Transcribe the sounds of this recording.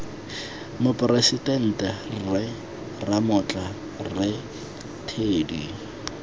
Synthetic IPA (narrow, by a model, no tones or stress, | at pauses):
mʊpʼresitʼɛn̩tʼɛrɪ | ramʊt͡ɬʼa | rɪ | tʰeːdi